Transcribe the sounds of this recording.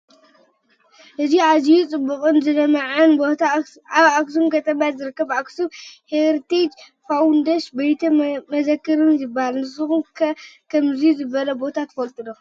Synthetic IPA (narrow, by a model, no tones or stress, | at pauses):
ʔɨziazijut͡sʼɨbːukʼɨnzɨnɐmɐʕɨn | aβaksumkʰɐt̪ʼɐmjazɨɾɨkːɐbaksubheɾt̪ʰed͡ʒ | fawnd̪ɐʃbɐjt̪ʰɐmɐzɐkːɨɾɨnzɨbːahalnɨsɨxumkkʰɐmzizɨbɐlɐbo̞t̪ʰat̪ʰɨ̥fɐlt̪ʼɨdo